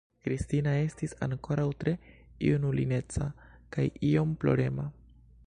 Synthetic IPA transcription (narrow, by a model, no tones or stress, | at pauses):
kɾistinae̞stisa̰ŋko̞ɾawtɾe̞ḭunulḭne̞t͡sakajio̞mplo̞̰ɾe̞ma